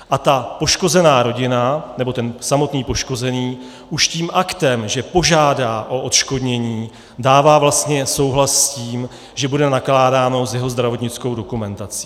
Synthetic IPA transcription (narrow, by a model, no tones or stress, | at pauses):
ʔat̪apo̞ʃko̞zɛnaːɾo̞ɟɪnanɛbo̞t̪ɛnsamo̞t̪niːpo̞ʃko̞zɛniː | ʔuʃciːmʔakt̪ɛmʒɛpo̞ʒaːdaːʔo̞ʔot̪ʃko̞dɲɛɲiː | daːvaːvlast̪ɲɛso̞wɦlasːciːm | ʒɛbudɛnaklaːdaːno̞zjɛɦo̞zd̪ɾavo̞t̪ɲɪt͡sko̞wdo̞kumɛnt̪at͡si̥